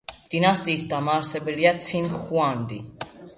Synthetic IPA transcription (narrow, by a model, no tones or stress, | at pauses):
d̪̥inast̪ʼiːsd̪amaːɾsɛbɛliat̪sʰinχuand̪i